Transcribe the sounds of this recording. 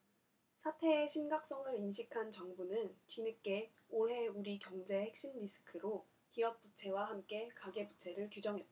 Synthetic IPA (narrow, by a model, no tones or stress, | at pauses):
sʰatʰe̞ːɕʰinɡak̚s͈ʌŋɯɾinɕʰikʰant͡ɕʌŋbunɯnt͡ɕinɯk͈e̞ | oɭɦe̞uɾikjʌŋd͡ʑe̞hek̚ɕ͈inɾisʰɯ̥kʰɯɾo | kiʌk̚p͈ut͡ɕʰe̞waɦamk͈e̞kaɡe̞put͡ɕʰe̞ɾɯɭkjud͡ʑʌŋɦe̞t̚t͈a